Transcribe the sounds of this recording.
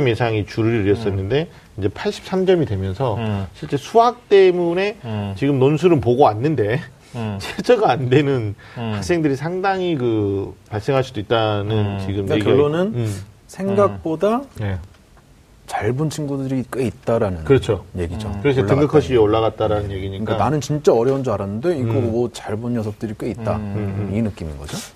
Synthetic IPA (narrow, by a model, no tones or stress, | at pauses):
ɯmje̞sʰaŋit͡ɕuɾɯɾiɯɾjʌs͈ʌnːɯnde̞ | ind͡ʑe̞pʰaɭɕ͈ʰi̥p̚s͈amd͡ʑʌmidwe̞mjʌnsʰʌɕʰiɭt͡ɕ͈e̞sʰuɦak̚t͈e̞mune̞t͡ɕiɡɯmnonsʰuɾɯnpoɡoanːɯnde̞ | t͡ɕʰeɭt͡ɕ͈ʰʌɡaandwe̞nɯn | hak̚s͈e̞ŋdɯɾisʰaŋdaŋikɯpaɭs͈e̞ŋɦaɭsʰudoit̚t͈anɯnt͡ɕiɡɯmkekɡjiʌɭːonɯn | sʰe̞ŋɡak̚p͈odane | t͡ɕaɭbunt͡ɕʰiŋɡudɯɾik͈eit̚t͈aɾanɯnkɯɾʌt͡ɕʰoje̞ɡid͡ʑokɯɾes̬ʰeɯŋɡɯkʰʌɕʰiioɭːaɣat̚t͈aɾanɯnje̞ɡiɲiɯk͈ananɯnt͡ɕint͡ɕ͈aʌɾjʌwund͡ʑoaɾanːɯnde̞iɡomʌt͡ɕaɭbunjʌsʰʌp̚t͈ɯɾik͈eit̚t͈a̰inɯk͈iminɡʌ̰d͡ʑo